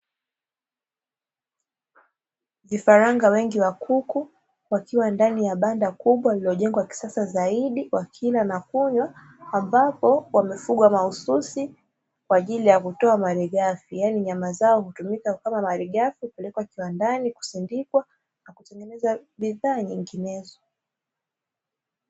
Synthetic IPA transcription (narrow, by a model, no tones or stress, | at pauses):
vifaɾaŋɡawɛŋɡiwakʰuku | wakiwandanijaɓandakuɓwailiɔʄɛŋɡwaki̥sasazaiɗiwakʰilanakuɲwaː | mbapɔwamɛfuɠwamaususi | kwaːʄilijakutɔamaɾiɠafijaniɲamazaɔhutumikakamamaɾiɠafiupɛlɛkwakiwandaniku̥sindikwa | nakutɛŋɡɛnɛzaɓiðaːɲiŋɡinɛzɔ